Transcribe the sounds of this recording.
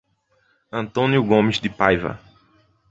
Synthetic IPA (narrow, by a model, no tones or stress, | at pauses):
ɐ̃nt̪õnjuɡõmɪzd̪ɪpajvɐ̰